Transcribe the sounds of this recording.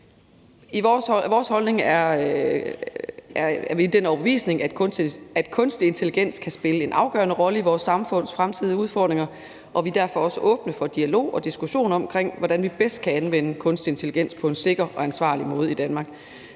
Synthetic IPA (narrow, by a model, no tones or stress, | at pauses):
isʋɒːshɒ̽lne̝ŋæɐ | æɐæɐʋid̥enɒʊbəʋḭːsne̝ŋæ̥æd̥kʰɔ̽nsd̥ie̝nt͡sʰe̝liɡ̥en̰skʰæsb̥e̝ləe̝nʔɑ̈ʊɡ̥ɶ̰ːɐnəʁɒ̽ləiʋɒːsːɑ̈mfɔ̽n̰sfʁamt͡sʰið̰ˠəuð̞ˠfɒ̰ːd̥ʁe̝ŋɐ | ʔɒ̽ʋid̥æɐfɒ̽ɒ̽səʔɔ̽ːb̥nəfɒ̽d̥iælo̝̰ːɒ̽d̥isɡ̥uɕo̝̰ːnɒ̽mkʰʁeŋ̰ʋɒd̥ænʋib̥esd̥̚kʰæænʋen̰əkʰɔ̽nsd̥ie̝nt͡sʰe̝liɡ̥en̰spʰɒ̽e̝nse̝ɡ̥ɐʔɒ̽ænsʋɑ̰̈ːlimɔ̽ːð̞̩ˠid̥ænmɑ̈ːɡ̥